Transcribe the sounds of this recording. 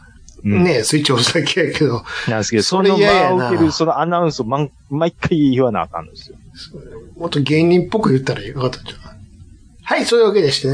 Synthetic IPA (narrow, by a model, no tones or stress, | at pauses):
ɯnesɨit͡ɕiosakʰejaked̪onãnd̪ske̞d̪osonoaɯk̪eɾɯ̟so̞no̞anaɯ̃sɨomãŋ | maikʰːaiiβana̰ːkã̰nd̪sɨjo | somot̪ːoɡẽ̞ɲʲĩmpːokɯ̟jɯt̪ːaɾaakat̪ːḁt͡ɕḁka | haisoːiβaked̪eɕi̥t̪ane